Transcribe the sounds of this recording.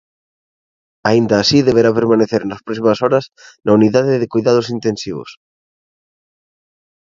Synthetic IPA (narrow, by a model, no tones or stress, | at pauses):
aind̪ɐːsiðeβeɾapeɾmaneθeɾnɐspɾɔsimɐsɔɾɐsnʔɐuniðaðɪðɪkujðað̞ʊsint̪ensiβ̞ʊ̰s